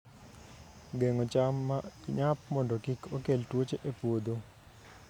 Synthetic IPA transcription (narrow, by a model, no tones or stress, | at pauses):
ɡeŋot͡ʃamːaɲap̚mɔndokikʰokeltwot͡ʃeʔepwod̪o